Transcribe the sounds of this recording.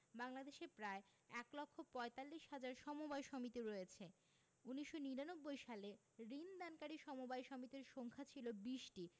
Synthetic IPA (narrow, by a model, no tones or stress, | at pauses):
baŋlad̪eʃepɾae | ɛklɔkʰːopɔet̪alːiʃɦad͡ʑaɾʃɔmobajʃɔmit̪iɾojet͡ɕʰe | uniʃːoniɾanobːojʃale | ɾind̪ankaɾiʃɔmobajʃɔmit̪iɾʃoŋkʰat͡ɕʰilobiʃʈi